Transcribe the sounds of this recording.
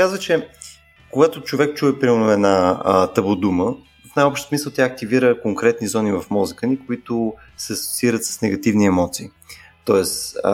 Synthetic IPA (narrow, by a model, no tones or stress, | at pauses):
kazvət͡ʃɛ | koɡat̪ot͡ʃovɛk̚t͡ʃuɛpɾimɛlnoɛd̪nat̪əbod̪umə | fnajɔpʃt̪smisəlˠt̪jaːk̚t̪iviɾəkoŋkɾɛt̪nizɔnivəfmɔzikənikoit̪ʊ | sɛɐso̥tsʲiɾət̪sə̥snɛɡɐt̪ivniɛmɔt̪siː | t̪ɔɛs